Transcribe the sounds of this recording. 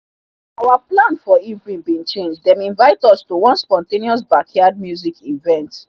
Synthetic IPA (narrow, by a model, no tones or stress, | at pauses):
awaplãnfɔivɹĩnbĩnt͡ʃẽnd͡ʒdɛ̃mĩnvaɪtɔstowɔ̃nspɔ̃ntẽniɔs̬bakʰjad̚mjuzikivɛ̃nt